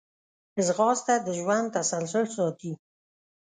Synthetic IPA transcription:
ɪzɣɑst̪ad̪əʒwand̪̚t̪ːasalsʊlsɑt̪i

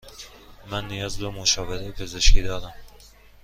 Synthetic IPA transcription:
mænːijɒːzbemoʃɒːveɾejepʰe̞ze̞ʃkʲʰiːd̪ɒːɾæm

